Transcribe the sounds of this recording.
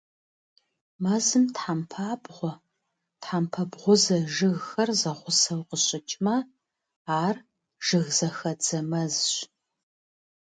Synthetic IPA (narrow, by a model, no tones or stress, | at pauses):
mɐzɨmtħampʰaːbʁʷɔ | tħampʰɐbʁʷʊzɐʒɨɣxɐrzɐχʷʊsɐwqəɕʼɪt͡ʃʼmɐ | aːr | ʒ̥ɨɣzɐxɐd͡zɐmɐzɕ